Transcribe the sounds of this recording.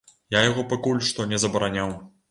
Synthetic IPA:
jajaɣɔpakulʲʂt̪ɔnʲɛzɐbɐɾanʲaw

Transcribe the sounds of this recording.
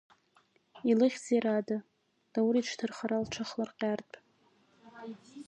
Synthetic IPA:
ilɨχʲd͡zeɾada | d̥awɾiʈ͡ʂʰtʰɨrχaɾalʈ͡ʂʰaχlarqʲʼartʼ

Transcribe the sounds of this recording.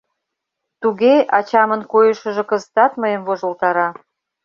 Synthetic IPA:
t̪uɣeɑt͡ɕɑmənkojəʃə̆ʒĕkəzət̪ɑt̪məjəmvoʒolt̪ɑɾɑ

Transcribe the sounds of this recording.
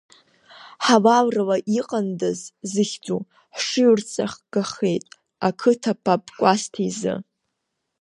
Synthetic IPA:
ħalawralaʔiqʼandazzɨχʲd͡zʼu | ħʂɨɥrt͡sʼa̰χɡ̥aχejtʼ | akʰɨtʰapʰapʼkʷʼastʰizɨ̰

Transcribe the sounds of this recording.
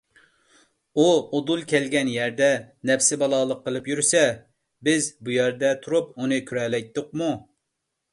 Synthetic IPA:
uod̪ulˠkʲʰɛlɡʲɛnjæɾd̪ɛnɛfsɪbɑlˠɑːlˠəqːəlˠɨpjyɾsɛ | bɪzbujɛɾd̪ɛt̪ʰuɾup̚unɨkʲʰyɾɛlɛjt̪ːʊq̚mu

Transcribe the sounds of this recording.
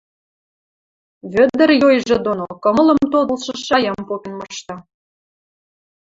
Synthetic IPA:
βø̆d̪ə̆rjojʒĕd̪onokə̆mələ̆mt̪od̪ə̆lʃɤ̆ʃɑjɑmpopʲenmɤʃt̪ɑ

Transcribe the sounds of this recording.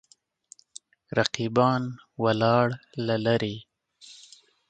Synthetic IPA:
ɾaqibɑːnwalɑːɽlalaɾi

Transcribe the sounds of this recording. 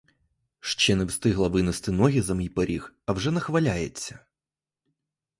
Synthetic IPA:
ʃt͡ʃɛnɛwst̪ɪɦlˠɐʋɪnɪst̪ɪnɔɦʲizɐmʲijpeɾʲixɐwʐɛnɐxʋɐlʲajet͡sʲːɐ̥

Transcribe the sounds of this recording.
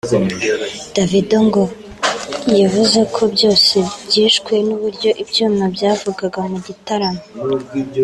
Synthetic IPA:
d̥avidoŋɡo | jaβuze̞kʰo̞bɟo̞ːse̞bɟiːʃkwenuβuɾɟo̞ʔibɟoːmabjaːvuɡaɡamuɟitaɾamo

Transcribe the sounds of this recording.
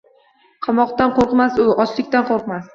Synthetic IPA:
qʰɑmɒqt̪anqʰoɾqmasʊʔɒt͡ʃlɪkʲt̪anqʰoɾqmas

